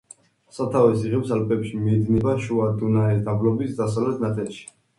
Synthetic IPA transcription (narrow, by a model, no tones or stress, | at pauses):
sat̪ʰavɛsiʁɛfsalpʼɛpʃimiːd̪nibaʃuad̪unaɛsd̪ablɔbisd̪asavlɛt̪ʰnat̪ʰʼɛlʃi̥